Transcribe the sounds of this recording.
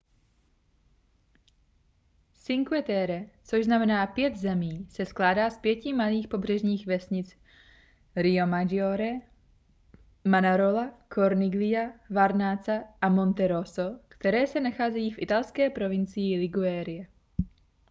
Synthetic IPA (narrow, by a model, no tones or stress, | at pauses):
sɪŋkuɛt̪ɛɾɛt͡soʒznamɛnaːpjɛd̪zɛmiːsɛsklaːdaːspjɛcɪmaliːxpo̞br̝ɛʒɲiːɣvɛsɲɪt͡s | ɾɪomad͡ʒioɾɛ | manaɾolakʰoɾnɪɡlɪjavaɾnaːt͡saʔamo̞nt̪ɛɾosokt̪ɛɾɛːsɛnaxaːzɛjiːfʔɪt̪alskɛːpɾo̞vɪnt͡sɪjɪlɪɡuɛːɾɪjɛ